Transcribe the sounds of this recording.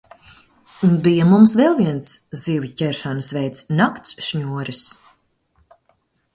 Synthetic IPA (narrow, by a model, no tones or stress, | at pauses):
bijamumsvɛlˠviɛnsziːvʲicʲɛɾʃanəsvʲɛjt̪snakt̪sʃɲuɔɾis